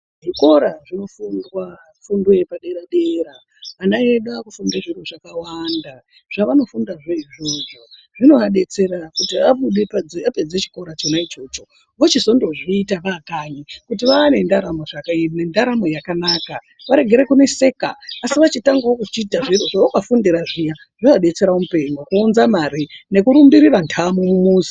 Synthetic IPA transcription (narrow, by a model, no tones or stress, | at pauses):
ʐiko̞ɾaʐino̞fundwa | fundwepaɗeɾaɗe̞ɾaː | naeɗakufundeʐiroʐakawanda | ʐ̥aʋano̞fundaʐo̞iʐo̞ʐo̞ʐino̞ɦaɗe̞t͡se̞ɾakutiaɓuɗe̞pad͡zape̞d͡zet͡ʃi̥ko̞ɾat͡ʃonait͡ʃo̞ːt͡ʃo̞ | ʋot͡ʃiso̞ndo̞ʐiːtaʋakaɲikutiʋaːne̞ndaɾamo̞ʐakanendaɾamo̞jakanaːka | ʋaɾe̞ɡʱe̞ɾekune̞se̞kaːsiʋat͡ʃitaŋɡawokut͡ʃiːtaʐiroʐaokafundiɾaʐija | ʐ̥oʋaɗe̞t͡se̞ɾaomupe̞ɲokuunzamaɾine̞kuɾumbiɾirantʰamumumuːsi̥